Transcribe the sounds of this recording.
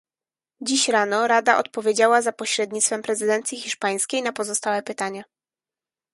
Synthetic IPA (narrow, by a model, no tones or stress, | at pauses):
d͡ʑiɕɾanɔɾad̪aʔɔ̰t̪̚pɔvʲjed͡ʑawazapɔɕɾɛd̪ɲit̪sfɛmpɾɛzɘd̪ɛnt̪sʲjixʲiʂpaj̃skʲejnapɔzɔst̪awɛpɘt̪aɲa